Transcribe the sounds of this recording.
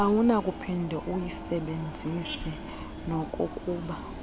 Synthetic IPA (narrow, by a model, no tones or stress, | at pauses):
awunakʼupʰindʱɛʔujisɛɓend͡zʱisi | nokʼukʼuːɓa